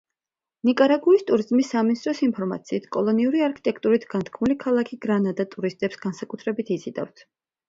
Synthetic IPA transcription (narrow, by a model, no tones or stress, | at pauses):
nikʼaɾaɡuist̪ʼuɾizmisːaminist̪ʼɾɔsinpʰɔɾma̰t̪sʰiːt̪ʰkʼɔlˠɔniuɾiaɾkʰi̥t̪ʼɛk̚ʰt̪ʼuɾit̪ʰɡ̥ant̪ʰkʰmulikʰalˠakʰiɡɾanad̪at̪ʼuɾist̪ʼɛpsɡ̥ansakʼut̪ʰɾɛbit̪ʰizid̪a̰vt̪ʰ